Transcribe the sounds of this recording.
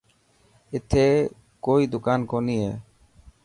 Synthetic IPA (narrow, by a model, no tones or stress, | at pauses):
ɪt̪ʰeː | koːiːd̪ʊkaːnkoːniːḛː